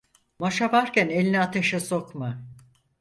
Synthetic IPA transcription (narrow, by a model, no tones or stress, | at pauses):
maʃavaɾkʲænelʲinɛat̪ʰeʃasokma